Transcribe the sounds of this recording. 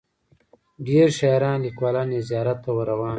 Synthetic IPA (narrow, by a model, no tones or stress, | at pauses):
ɖeːɾʃajɾɑ̃ːnlikwaːlɑːnezjɑːɾat̪ːawəɾawɑ̃ːn